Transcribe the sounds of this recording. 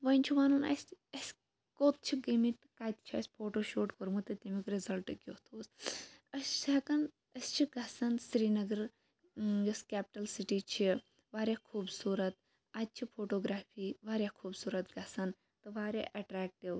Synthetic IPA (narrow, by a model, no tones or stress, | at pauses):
ʋɐnʲt͡ʃʰiʋaːnunɐ̰sɐsʲ | koːt̪̚t͡ʃʰiɡimiʈkaːt̪t͡ʃʰiɐ̰sʲpʰoːʈoːʃoːʈkoɾmut̪ɐt̪imikɾizɐlʈɨkʲot̪ʰoːsɐsʲsaːkɐn | ɐsʲt͡ʃʰiɡɐsɐnsɾiːnɐɡɐɾ | jɐskɛːp̚ʈɐlsiʈiːt͡ʃʰi | ʋaːɾjakʰuːbsuːɾɐt̪̚ | at̪̚t͡ʃʰipʰoːʈoːɡɾaːfʰiːʋaːɾʲjakʰuːbsuːɾɐt̪ɡɐsɐn | t̪ɨʋaːɾʲa̰ʔɐʈɾaːk̚ʈiʋ